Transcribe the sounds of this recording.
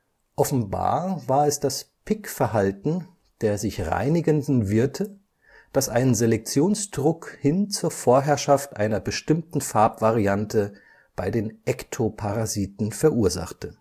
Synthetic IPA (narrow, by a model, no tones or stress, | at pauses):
ʔɔfn̩ba̰ːɐvaːɐɛsd̥aspʰɪkfɛɐɦaltn̩ | d̥eːɐzɪçʁa̰ɪnɪɡəndn̩vɪɐtʰə | d̥asʔaɪnənzelɛk̚t͡sjoːnsd̥ʁʊkhɪnt͡suːɐfoːɐɦɛɐʃaftʔa̰ɪnɐbəʃtɪmtn̩faɐpv̥aʁiantʰə | b̥aɪdeːnʔɛktʰopʰaʁaziːtn̩fɛɐʔuːɐza̰χtʰə